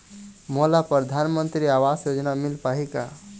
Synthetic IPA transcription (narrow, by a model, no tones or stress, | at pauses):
molapɾəd̪ʱanmənt̪ɾiawasjod͡ʒnamilpaɦika̰